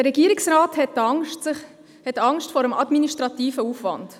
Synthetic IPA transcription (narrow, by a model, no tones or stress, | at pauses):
əɾɛɡiəɾiksɾɑːthɛttɪ | hɛtɑŋʃtfɔɾəmʔɑdminiʃtɾɑtiːfəuːfʋɑ̰nd̥